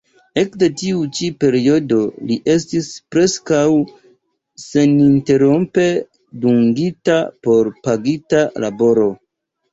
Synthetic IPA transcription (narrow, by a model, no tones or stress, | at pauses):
e̞kde̞tiut͡ʃipe̞ɾio̞do̞liʔe̞s̬tispɾe̞skaw | se̞ninte̞ɾompe̞ | duŋɡitapo̞ɾpaɡitalabo̞ɾo̞